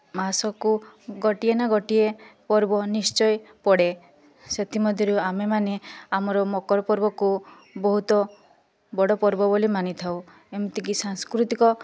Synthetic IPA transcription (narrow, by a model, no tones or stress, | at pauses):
masɔkuɡɔʈienaɡɔʈiepɔɾbɔnist͡ʃɔjpɔɽe | set̪ʰimɔd̪ʱjɔɾuamemaneamɔɾɔmɔkɔɾɔpɔɾbɔku | bɔɦut̪ɔ | bɔɽɔpɔɾbɔbolimanit̪ʰaw | emut̪ikisaŋskɾut̪ikɔ